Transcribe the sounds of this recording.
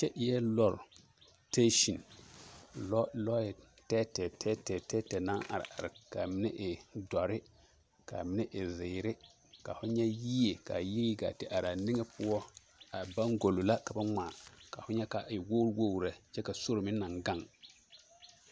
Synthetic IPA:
t͡ʃɛ˦ʔjɛ˦lɔ˦˨ɾ | te˦ʃi˨n˦ | lɔ˦ɛ˨ | tɛ˦tɛ˨tɛ˦tɛ˨tɛ˦tɛ˨na˦ŋa̰˨ɾɪ̰˨a˨ɾɪ˨ka˨mɪ˦nɛ˦ʔɪ˨dɔ˨ɾɪ˦ | ka̰˨mɪ˦nɛ˦ʔɪ˨zɪ˨ɾɪ˦ | ka˨fʊ˦ɲɛ˦ji˦e˨ka˨ji˦ɾi˦ɡa̰˨tɪ˨ʔa˨ɾa˨ni˦ŋɛ˦pʊ˦ɔ˦ | a˨ba˦ŋɡo˨lo˨la˦ka˨ba˦ŋ͡ma˨ka˨fʊ˦ɲɛ˦ka˨ɪ˨wo˦ɾwo˦˨ɾa˨t͡ʃɛ˦ka˨so˦ɾmɪ˦na˨ŋɡa˦˨ŋ

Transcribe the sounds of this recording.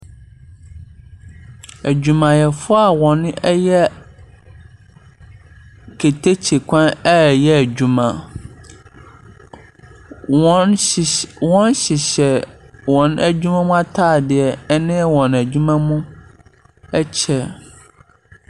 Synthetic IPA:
æ˨d͡ʑᶣu˨mã˨jɛ˨fʊ˦a˨wɔ̃˨nɛ˦jɛ˦ | kʰe˨tʰe˦t͡ɕʰi˨kʷʰã˦nɛ˦˨jɛ˦æ˨d͡ʑᶣu˨mã˨˦˨ | wɔ̃˦nɕɪ˨ɕɛ˨ | wɔ̃˨næ˦d͡ʑᶣu˦mã˦mũ˦a˦tʰaː˦˨dɪ˨ɛ˨˦nɪ̃˦wɔ̃˨næ˨d͡ʑᶣu˦mã˦mũ˦ | ɛ˦t͡ɕʰɛ˨

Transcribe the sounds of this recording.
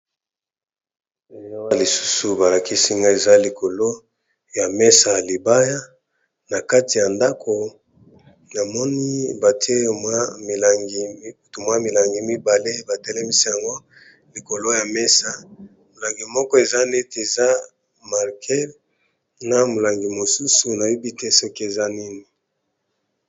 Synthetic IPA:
e˨ja˦wa˦li˨su̥˦su˨ba˨la˨ki˦si˦ŋɡa˦e˨za˦li˨kʰo˨lo˦ | ja˨mɛ˦sa˨li˨ba˦ja˦ | na˨ka˦ti˨ja˨nda˦kʰo˨ | na˨mɔ˦ni˦ba˨ti˦e˦mwa˦mi˨la˨ŋɡi˨m˦u˨tu˨mwa˦mi˨la˨ŋɡi˨mi˦ba˨le˦ba˨tɛ˦lɛ˦mi˦si˦ja˨ŋɡo˦ | li˨ko˨lo˦ja˨mɛ˦sa˨ | mo˨la˨ŋɡi˨mɔ˦kɔ˦e˨za˦ne˦te˨za˦ | ma˨ʁkʰɛ˦l | na˨mo˨la˨ŋɡi˨mo˨su˦su˨na˨ju˦bi˦te˦sɔ˦ki˦e˨za˦ni˦ni˨

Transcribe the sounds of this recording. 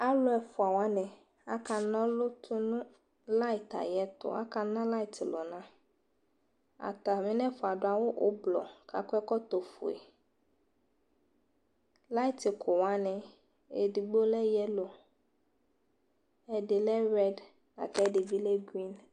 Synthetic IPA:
a˦lʊ˦ɛ˨fʊ˨a˨wa˨˦nɛ̃˨ | a̰˨˦ka˨nɔ̃˦lʊ˦t̪ʰu˦nũ˦ | la˦i˨ta̰˨jɛ˦t̪ʊ̰˨a̰˦ka˨nã˦la˦i˦˨tɪ˨lɔ̰˨nã˦ | a̰˨t̪a˨mĩ˦nɛ̃˦fʊ˨a˨dʊ˨a˨wo˦ʔo̰˦blɔ̰˨ka̰˨kʊ˦ɛ˦kɔ˦t̪o˨fṵ˨ḛ˨ | la˦i˦tɪ˨kʰʊ˨wa˨˦nɛ̃˨ | e˨di˨ɡ͡bo˦lɛ˦jɛ˦lo˨ | ɛ˨dɪ˨lɛ˦ɾɛ˦d | a̰˨kɛ˦dɪ˨vi˦lɛ˦ɡɾi˦n

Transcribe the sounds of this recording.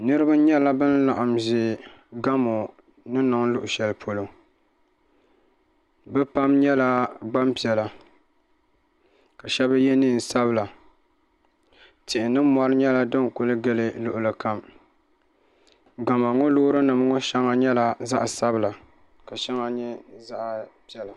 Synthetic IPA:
nɨ˦ɾɨ˦ba˦ɲɛ˦la˦bɨ˦n˦la˨ʔa˨mzɪ˨ɡa˦mo˨ | nɨ˦nɨ˨ŋlʊ˦ʔʊ˨ʃɛ˨lpʰo˨lo˨ | bɛ˦pa˦mɲɛ˦la˦ɡ͡ba˦mpi˨ɛ˨la˨ | ka˨ʃɛ˦ba˦jɛ˦niː˦˨n˨sa˦bɨ˨la˨ | tɪ˨ʔɪ˨nɨ˦mɔ˦ɾɨ˦ɲɛ˦la˦dɨ˦ŋ˨kʊ˦lɨ˦ɡɨ˦lɨ˦lʊ˨ʔʊ˨lɨ˨ka˨m | ɡa˨ma˨ŋo˦loː˦ɾɨ˦nɨ˨m˦ŋʊ˦ʃɛ˦ŋa˦ɲɛ˦la˨za˦ʔa˨sa˦bɨ˨la˨ | ka˨ʃɛ˦ŋa˦ɲɛ˦za˦ʔpi˦ɛ˨la˨

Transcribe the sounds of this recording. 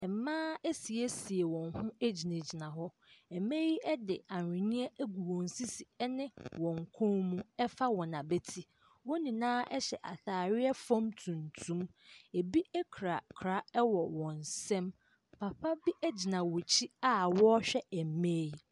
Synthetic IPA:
mãː˦e˦si˨e˦si˨e˨wɔ̃˨n˦hʊ̃˦e˦d͡ʑi˨ne˨d͡ʑi˨nã˨ɦɔ˦ | ɛ˨me˦ji˦ʔɛ˦dɪ̰˨a˨n˨ɾɪ̃˨ɲĩ˦ɛ˦ɡu˨wɔ̃˨n̩˨si˦si˨ɛ˦nɪ̃˦wɔ̃˨ŋ̩˨kʰɔ̃˦nmũ˦ɛ˦fa˦wɔ̃˨nã˨be˦tʰi˦ | wɔ̃˦nĩ˨nãː˦ɛ˦ɕɛ˨ʔa˨θaː˨ɾɪ˦ɛ˦fɔ̃˦mtʰũ˨n˨tʰũ˦m | e˨bi˦ɛ˦kʰɾa˨kʰɾa˦ɛ˦wɔ˨wɔ̃˨n˨sɛ̃˦m | pʰa˨pʰa˦bi˦ʔɛ˦d͡ʑi˨nã˨wɔ˨t͡ɕʰi˦a˦wɔ˦ɕᶣɛ˦ɛ˨m˨meː˦ji˦

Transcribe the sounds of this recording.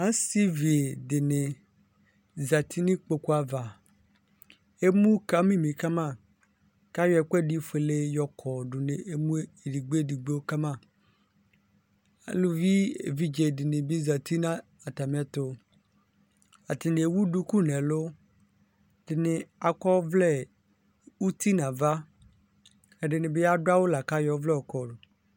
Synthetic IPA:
a˦si˦vi˨e˨dɪ˨nɪ̃˨ | za˨t̪ʰi˦nɪ̃˦k͡po˨ku˦a˨va˨ | e˦mũ˦ka˨˦mĩ˦mĩ˨ka˦mã˦˨ | ka˦jɛ˨k͡pɛ˦di˦fe˨le˦jɔ˨kʰɔ˨ɖʊ˨ne˨e˦mũ˦e˨di˨ɡ͡be˦˨di˨ɡ͡be˦wo˦ka˦mã˦˨ | a̰˨lu˦vi˦ḛ˨vi˦d͡ʒe˨dɪ˨nɪ̃˨bɪ˦za˨t̪i˦nã˦ | a˨ta˨m˨˦ɛ˦t̪ʊ˦ | a̰˨t̪ɪ˨nɪ̃˨e˨wu˦du˦ku˦nɛ̃˨lʊ˦ | d̥ɪ˨nɪ̃˨a˨kɔ˦vlɛ˦˨ | u˦t̪i˦nã˨va˦ | ɛ˨ɖɪ˨nɪ̃˨bɪ˦a˦dʊ˦a˦wo˦la˨ka˦jɔ˨˦vlɛ˦ɔ˨kɔ˨dʊ˨

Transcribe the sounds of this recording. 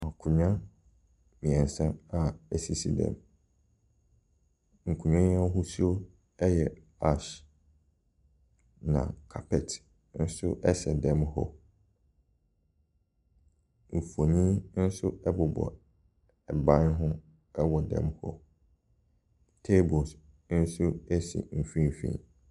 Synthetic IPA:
ã˨kʰʊ˨ɲᶣã˦ | mĩ˨ɛ̃˨n˨sã˦a˨ɛ˦˨si˨sḭ˨dɛ̰̃˨m | ŋ̩˨kʰũ˨ɲã˦ɲ̃˦ã˦ɦʊ˦su˦o˦ | ɛ˦jɛ˨ | a˦ʃ | nã̰˨kʰa˨pʰɛ˨tʰ | n̩˦sʊ˦ʔɛ˦sɛ˨dɛ̃˦mhɔ̰˦ | m̩˨fu˨o˨nĩ˦n̩˦sʊ˦ɛ˦bʊ˨bɔ̰˨ | ɛ˨bã˦nɦʊ̃˦ | ɛ˦wɔ˨dɛ̰̃˨mhɔ̰˦ | tʰe˦bɔ˨s | n̩˦sʊ˦ɛ˦sḭ˨m̩˨fĩ˦m˨fḭ̃˦

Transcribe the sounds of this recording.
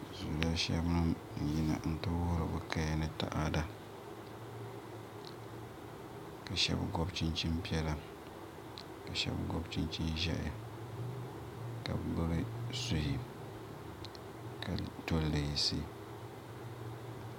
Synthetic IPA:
zu˨ɾa˦ʃɛ˦bnɨ˦m˨ | ji˨na̰˨n̩˦tʊ˦wʊ˦ɾɨ˨bɨ˨ka˦ja˦nɨ˦ta̰˦˨ʔa˦da˦ | ka˨ʃɛ̰˦bɡɔ˦bt͡ʃi˦nt͡ʃi˦mpi˦ɛ˦la˦ | ka˨ʃɛ̰˦bɡɔ˦bt͡ʃi˦nt͡ʃi˦n˦ʒɛ˦ʔa˨ | ka̰˨bbɨ˦ɾɨ˦su˦hi˨ | ka˨to˦le˨ji˨sḭ˦˨

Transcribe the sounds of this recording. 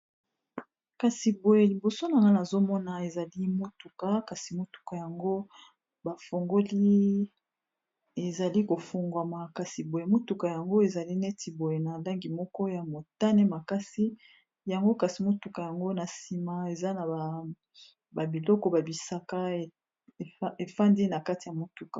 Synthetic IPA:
ka˨si˨bo˨je˨li˨bo˨so˦na˨ŋɡa˦na˨zo˦mɔ˦na˨e˨za˨li˦mo˦tu˨ka˨ka˨si˨mo˦tu̥˨ka˨ja˨ŋɡo˦ | ba˨fo˨ŋɡo˦li˦ | e˨za˨li˦ko˨fo˨ŋɡwa˨ma˨ka˨si˨bo˨je˨mo˦tu˨ka˨ja˨ŋɡo˦e˨za˨li˦nɛ˦tʰi˨bo˨je˨na˨la˦ŋɡi˨mɔ˦kɔ˦ja˨mo˨ta˦ne˦ma˨ka˦si˦ | ja˨ŋɡo˦ka˨si˨mo˦tu˨ka˨ja˨ŋɡo˦na˨si˨ma˨e˨za˦na˨a˨ | ba˨bi˨lɔ˦kɔ˦ba˨bi˨sa˦ka˦e˨˦ | e˨fa˦ndi˦na˨ka˦ti˨ja˨mo˨tu˨ka˨

